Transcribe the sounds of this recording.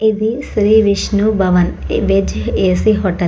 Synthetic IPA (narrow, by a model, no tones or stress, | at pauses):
id̪isɾiːʋiʃnubɐʋɐnbed͡ʒeːsiɦɔʈɐ